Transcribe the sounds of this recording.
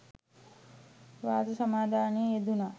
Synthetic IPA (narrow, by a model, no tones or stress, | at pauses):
ʋaːd͡zɐsɐmaːd̪ʱaːneed̪una